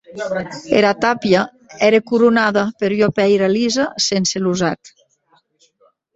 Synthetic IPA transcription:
ḛɾat̪apja | ɛɾekuɾunaðapeɾjɔpɛjɾalizasenseluzat̪

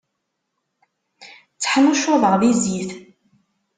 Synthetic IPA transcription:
t͡sːə̥ħnʊʃʊðˤəʁðiziθ

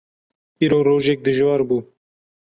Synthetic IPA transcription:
iɾoɾoʒek̚d̪əʒwaɾbu

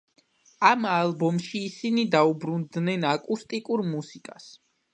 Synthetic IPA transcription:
amalˠbɔmʃiːsinid̪aubɾund̪nɛnakʼust̪ʼikʼuɾmusikʼas

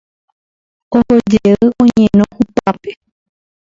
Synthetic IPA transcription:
ohod͡ʒeɨʔõɲẽnõhupape

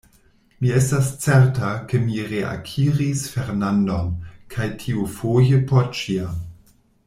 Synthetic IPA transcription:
miestast͡seɾtakemiʁeʔa̰kʰiʁisfeɾnandomkʰajtʰiufojəpʰot͡ʃiam

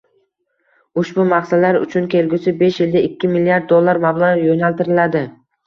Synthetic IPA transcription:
ʊʃbʊmaχsalaɾʊ̰t͡ʃʰʊnkʲʰe̞lɡʲʊsɪbe̞ʃjɪld̪aɪkʲːɪmɪlːijaɾd̪̚ːolˠːaɾmablˠaʁjonalt̪ɪɾɪlad̪ɪ

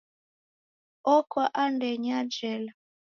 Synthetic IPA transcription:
ɔkɔʔandɛɲad͡ʒɛla

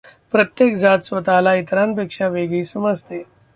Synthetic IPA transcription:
pɾət̪jekd͡zat̪sʋət̪alait̪ɾanp̬ekʂaʋeɡɭiːsəməd͡zʱt̪e

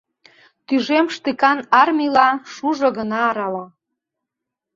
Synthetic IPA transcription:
t̪yʒemʃt̪ɨkɑnɑrmʲilɑʃuʒŏɣənɑːɾɑlɑ

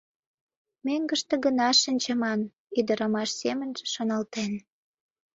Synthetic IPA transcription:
meŋɡə̆ʃt̪ə̆ɣənɑʃənʲt͡ɕə̆mɑn | yd̪əɾəmɑʃsemənʒəʃonə̆lt̪en

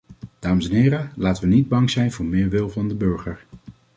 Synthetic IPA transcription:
d̥aːməsɛnɦɪːɾəlaːtəʋənid̚bɑŋz̥ɛjnvʊːɹmɪːɹʋɪlˠvɑndəbøɹχəɹ

